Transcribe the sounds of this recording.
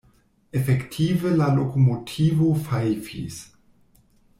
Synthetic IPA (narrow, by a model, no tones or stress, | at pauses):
efektʰivelalokomotʰivofafḭs